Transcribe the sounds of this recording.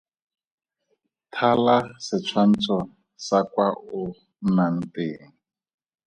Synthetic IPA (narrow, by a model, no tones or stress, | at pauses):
tʰalasɪt͡sʰwan̩t͡sʰɔ | sakwaʊ | nan̩teːŋ̩